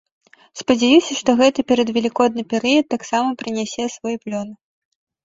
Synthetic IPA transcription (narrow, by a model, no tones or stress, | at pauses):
spɐd͡zʲajusʲɐʂt̪ɔɣɛt̪ɨpʲɛɾɐd̪vʲɛlʲikɔd̪̚nɨpʲɛɾɨjɐt̪ːaksamɐpɾɨnʲɛsʲɛsvɔjplʲɔnɨ